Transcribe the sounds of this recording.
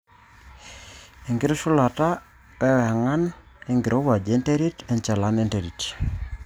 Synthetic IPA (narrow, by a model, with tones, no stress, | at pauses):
e˨ŋɡɪ˦ɾo˦su˦la˨ta˦ | pɛ˦wa˨ŋa˦n | e˦ŋɡɪ˨ɾʔo˦wa˨d͡ʒe˨˦nte˦ɾi˦tɛ˨nt͡ʃa˨la˦nɛ˦nte˨ɾi˨t